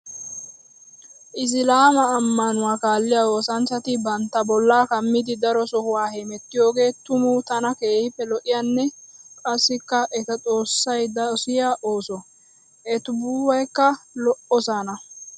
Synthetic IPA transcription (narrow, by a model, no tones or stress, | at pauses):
ʔɪs̬ɪlaːmɐːmːɐnʊwaːkaːlːɪjawo̞ːsɐnt͡ʃːɐt̪ɪbɐnt̪ːɐbɔlːaːkɐmːɪd̪ɪd̪ɐɾɔsɔhʊwaːhɛmɛt̪ːɪjo̞ːɡe̞ːt̪ʊmʊt̪ɐnɐke̞ːhɪpːɛlɔʔɪjaːnːɛkʼɐsːɪkːɐʔɛt̪ɐt͡sʼo̞ːsːɐjd̪ɐsɪjaʔoːsɔ | ʔɛt̪ʊbuːwɐjkːɐlɔʔɔsaːnɐ